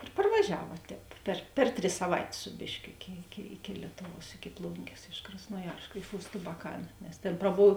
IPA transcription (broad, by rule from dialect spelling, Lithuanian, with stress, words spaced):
ɪr pɐrʋɐˈʒʲæːʋɐ tʲɛːp pʲɛr ˈpʲɛr ˌtʲrʲɪs sɐˈʋɐɪtʲeːs ˈsʊ bʲeːʃʲˌkʲoː ˈɪkʲɪ ɪkʲɪ ɪkʲɪ ˈlʲiɛtʊˌʋuɔs ɪkʲɪ ˈplˠʊŋʲɡʲeːs ɪʃ krɐsnoːˈjɛrsk ɪʃ ʊst ɐbɐˈkɐn nʲɛs ˈtʲeːn prɐˈboːw